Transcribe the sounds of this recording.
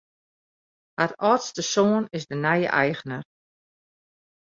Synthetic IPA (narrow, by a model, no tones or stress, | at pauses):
hatɔːtstəsoənɪsdənɛjə̰ʔɛjɣənər